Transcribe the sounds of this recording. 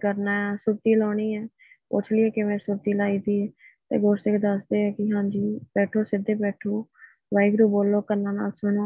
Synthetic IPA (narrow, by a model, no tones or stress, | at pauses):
kəɾnaːɛsʊɾt̪iːlɔːɽ̃iːɛː | pʊ̰t͡ʃʰlɪɛːkɪʋẽːsʊɾt̪iːlaːiːd̪iːɛːt̪ḛːɡoːsɪkd̪əsd̪eːɛːkɪɦãːɲd͡ʒiːbɛːʈʰoːsɪd̪ːeːbɛːʈʰoː | ʋaːiɡɾuːboːlːoːkəɾnãːna̰ːlsʊɳõ